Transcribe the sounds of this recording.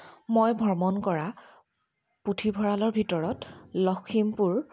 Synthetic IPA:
mojbʱɔɹmɔnkɔɹa | putʰibʱɔɹalɔɹbʱitɔɹɔtlɔkʰimpuɹ

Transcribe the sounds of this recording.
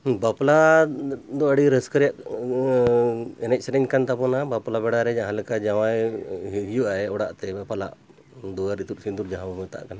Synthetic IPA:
bapla | d̪ɔəɽiɾəskəɾjaʔ | ɛnɛc̚ˀsɛɾɛɲkant̪apɔnabaplabɛɽaɾɛd͡ʒãɦãləkad͡ʒawajɦijuʔaɛɔɽaʔt̪ɛpala̰ʔ | d̪ɔjaɾit̪ut̪̚sind̪uɾd͡ʒaɦãbamət̪a̰ʔkana

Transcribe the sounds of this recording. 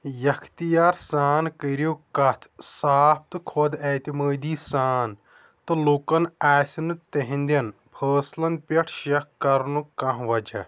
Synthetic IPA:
jɐkʰt̪ijaːɾsaːnkəɾoːkɐt̪ʰsaːp̚ʰt̪ɨkʰod̪ɛːt̪iməːd̪iːsaːn | t̪ɨlokɐnaːsʲinɨt̪ɐɦĩnd̪ʲɐn | pʰəːslɐnpʲɐʈʰʃɐkkːɐɾnukɐ̃ɦʋɐd͡ʒɐ̰

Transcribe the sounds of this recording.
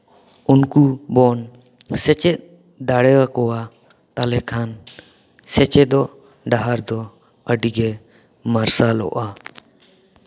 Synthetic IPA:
unkubɔn | sɛt͡ʃɛt̪̚ | d̪aɽɛwakɔwa | t̪alɛkʰan | sɛt͡ʃɛd̪ɔʔ | ɖaɦaɾd̪ɔ | əɖiɡɛ | maɾsalɔ̰ʔa

